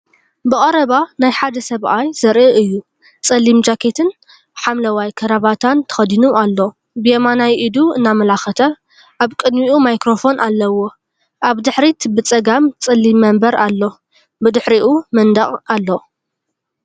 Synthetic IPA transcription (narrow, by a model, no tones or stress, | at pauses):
bɨkʼɐɾɐβanajħad̪ɐsɐβʔajzɐɾʔɨɨjːu | t͡sʼɐlːimd͡ʒakʰet̪ʰɨn | ħamlɐwajkʰɐɾaβat̪ʰant̪ʰɐ̥xɐd̪inualːo | bɨjemanajʔid̪uɨnːamɐlaxɐt̪ʰɐ | ʔaβkʼɨd̪miʔumajkɾo̞fo̞nʔalːɐwo̞ | ʔaβd̪ɨħɾit̪ʰbɨt͡sʼɐɡamt͡sʼɐlːimːɐmbɐɾalːo̞ | bɨd̪ɨħɾiʔumɐnd̪ɐχʼalːo